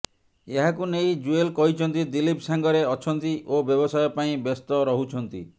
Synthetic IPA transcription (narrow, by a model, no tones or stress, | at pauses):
eɦakunejd͡ʒuelkɔɦit͡ʃʰɔnt̪id̪ilipsaŋɡɔɾeɔt͡ʃʰɔnt̪iʔobjɔbɔsajɔpaĩbest̪ɔɾɔɦut͡ʃʰɔnt̪ḭ